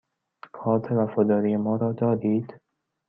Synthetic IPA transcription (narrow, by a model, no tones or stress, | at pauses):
kʰɒːɾt̪ʰævæfɒːd̪ɒːɾijemɒːɾɒːd̪ɒːd̪iːd̪̥